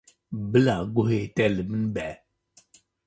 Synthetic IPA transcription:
bɨlaɡohetɛliminbɛ

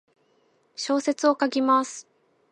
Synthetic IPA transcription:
ɕo̞ːse̞t͡sɨo̞kaɡʲimasɨ̥

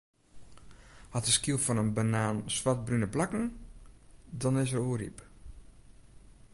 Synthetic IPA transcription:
hɔtəskilˠfɔnənbanaːnsʋat̚brynəplakŋ̩ | dɔnɪs̬əɾuərḭp

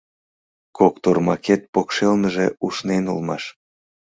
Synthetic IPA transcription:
kokt̪ormɑket̪̚pokʃelnəʒeuʃnenulmɑʃ

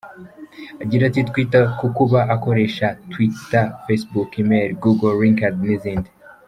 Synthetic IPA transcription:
aɟiɾatitkwiːtakukuβaʔako̞ɾe̞ʃatwitafesbukimeɾɡuɡolɾiŋkadniziːndi

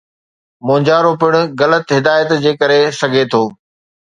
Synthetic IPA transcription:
mõːd͡ʑaːɾopɪɽ̃ʊ̆ɣɐlət̪ɦɪd̪aːjət̪d͡ʑeːkɐɾesɐɡʱet̪ʰoː

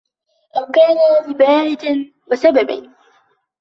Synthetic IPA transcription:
ʔamkaːnaʊmbaːhɪd̪n | bɪsababa̰n

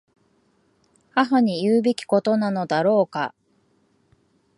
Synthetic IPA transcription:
haɦaɲ̟ijɯːbe̞kʲi̥ko̞t̪o̞nano̞d̪aɾo̞ːka̰

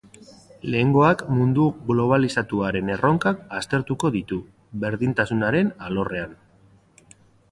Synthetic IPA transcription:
le̞ːŋɡo̞akmund̪uɡlo̞β̞alisat̪uaɾe̞ne̞ro̞ŋkakast̪e̞ɾt̪uko̞ðit̪u | βe̞ɾðint̪asunaɾe̞nalo̞re̞an

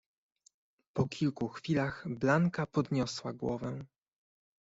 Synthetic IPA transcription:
pɔkʲilkuxfʲilaxblaŋkapɔd̪ɲɔswaɡwɔvɛ

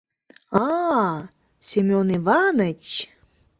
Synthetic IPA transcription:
ɑ | sʲemʲonivɑnət͡ɕ

